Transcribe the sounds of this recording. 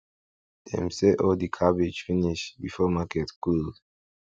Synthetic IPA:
d̥ɛ̰̃msɛʔɔldikʰabed͡ʒfiniʃbifɔmakɛtkuld

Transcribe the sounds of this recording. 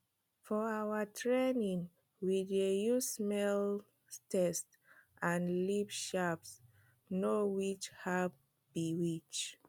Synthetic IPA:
fɔawətʰɹenĩŋ | widejussmɛl | tɛst | ʔãnlipʃaps | nowit͡ʃhav | biwit͡ʃ

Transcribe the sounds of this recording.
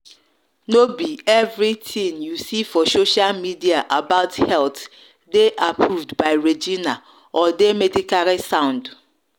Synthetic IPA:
nobiɛvɾitʰĩŋjusifɔsoʃalmidiaʔabaʊthɛlt | deʔapʰɾuvdbaɪɹed͡ʒina | ɔdemedikaɾisãʊ̃nd

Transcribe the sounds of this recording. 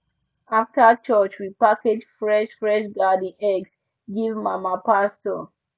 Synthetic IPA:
aftat͡ʃɔt͡ʃɹipaked͡ʒfɹɛʃfɹɛʃɡadĩnɛɡs | ɡivmamapastɔ

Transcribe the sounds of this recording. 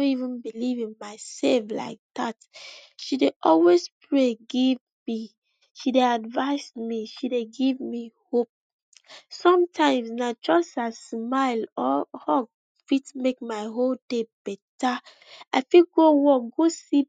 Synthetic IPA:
õivə̃nbilivĩnmaɪsɛlfla̰ɪk̚ð̥atʃideʔɔlwespʰɹeɡiv | mi | ʃideadvaɪsmiʃideɡivmihop̚ | sɔ̃mtʰãɪ̃msnad͡ʒɔsasmaɪlɔhɔɡ | fitmek̚maɪɦoldeb̥ɛta | aɪfiɡowɔɡosi

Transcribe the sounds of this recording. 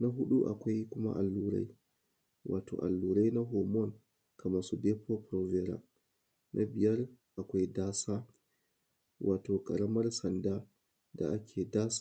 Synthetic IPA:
naɦuɗuʔa̰kʷɔjkuma̰ʔalːuɾa̰j | wʔaːtʰɔ̰ʔa̰lːuɾajnaɦɔmɔn | kʰamasubɛpʰɔpɾɔvɛɾa̰ | nʔabijaɾʔakʷɔjdaːsa | wʔaːtɔkʼaɾamaɾsanda | da̰akʲʰɛdas

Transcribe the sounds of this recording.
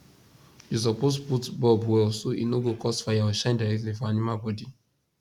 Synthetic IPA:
jus̬ɔposputbɔbwɛɔsoʔinoɡokɔstfajaɔʃãndaɾɛk̚tlifɔ̃animalbɔdi

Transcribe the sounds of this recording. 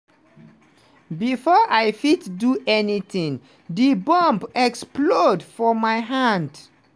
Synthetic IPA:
bifɔʔajfitduʔɛnit̪ĩŋ | dibɔ̃mpɛksplodfɔmajɦãnd

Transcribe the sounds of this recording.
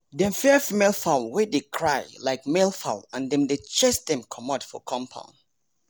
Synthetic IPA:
dɛ̃mfɛfimelˠfalwedekʰɹaɪlaɪk̚melˠfa̰ʊlãndɛ̃mdet͡ʃɛsdɛ̃mkʰɔmɔdfɔ̰kʰɔ̃mpʰã̰ʊ̃n

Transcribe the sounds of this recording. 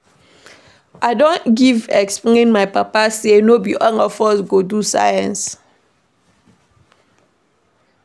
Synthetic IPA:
ʔaɪdõnɡivɛkspleĩnmaɪpapasenobiʔɔ̃ŋɔfɔsɡodusa̰jɛ̃ns

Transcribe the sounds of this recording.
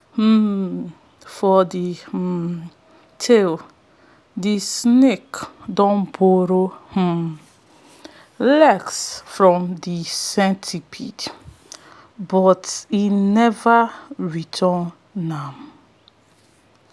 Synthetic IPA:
h̩ | fɔd̪i | tʰɪl | d̪isnɪkd̪ɔ̃mboɾoh̩ | lɛɡsfɾɔ̃md̪isɛ̃ntʰipʰid | bɔtinɛvaɹitʰɔ | nam

